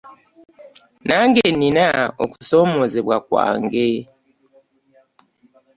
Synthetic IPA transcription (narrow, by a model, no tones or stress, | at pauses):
naŋɡɛninaokusɔmɔzɛbwakwa̰ŋɡe